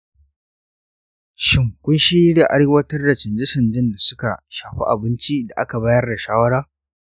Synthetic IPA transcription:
ʃɪ˨ŋkʷʊ˦nʃiː˦ɽa˨ʔa˦ɽeː˦wɐ˦tɐ˦rda˨t͡ʃɪ˨nd͡ʒɪ˦sɐ˨nd͡ʒɪ˦nda˨sʊ˦ka˨ʃaː˨ɸḭ˦ʔa̰˨bɪ˦nt͡ʃi˦da˨ʔa̰˦ka˨baː˦jɐ˦rda˨ʃaː˦wɐ˦ɽaː˦

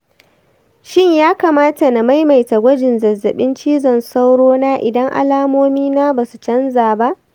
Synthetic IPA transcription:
ʃɪ˦ɲjaː˦kaː˨maː˦ta˨na˨ma˦jma˨jta˨ɡʷɐ˦d͡ʒɪ˨nzɐ˨zːɐ˨ɓɪ˦nt͡ʃiː˦zɐ˨nsa˦wɽoː˦naː˦ʔɪ˨dɐ˦ŋʔa̰˨laː˦moː˦miː˦naː˦baː˨su˨t͡ʃɐ˦nzaː˨ba˦ʔ

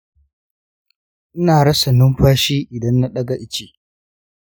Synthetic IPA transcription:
ʔɪ˦naː˨ɽɐ˦sɐ˨nɪ˦mɸaː˦ʃiː˦ʔɪ˨dɐ˦nːa˦ɗɐ˦ɡa˨ʔɪ˦t͡ʃeː˦˨

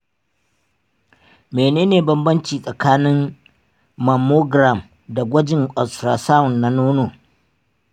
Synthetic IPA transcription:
meː˨neː˦neː˨bɐ˦mbɐ˦nt͡ʃiː˨sʼɐ˨kaː˦nɪ˦mː | ɐ˨mo˦ɡɾa˨m | da˨ɡʷɐ˦d͡ʒɪ˨ŋkʼɔ˨stɾaː˨sa˦ʊ˨nːa˨noː˦noː˨

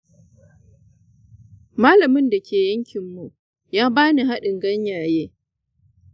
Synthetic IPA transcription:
maː˦lɐ˨mɪ˦nda˨kʲʰeː˨jɐ˦ŋkʲʰɪ˨mːu˨ʔ | jaː˦baː˦ni˨ɦa˦ɗɪ˨ŋɡɐ˦ɲjaː˨jeː˦

